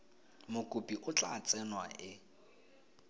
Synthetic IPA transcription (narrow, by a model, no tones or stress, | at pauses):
mʊkʼupʼiʔʊt͡ɬʼat͡sʼɛnwaʔɪ